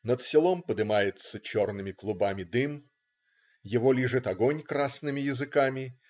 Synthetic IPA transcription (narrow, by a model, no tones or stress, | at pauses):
nət̪sʲɪlˠompəd̪ɨmajɪt̪sət͡ɕo̞rnɨmʲɪklˠʊbamʲɪd̪ɨm | jɪvolʲiʐɨt̪ɐɡo̞nʲkɾasnɨmʲɪjɪzɨkamʲɪ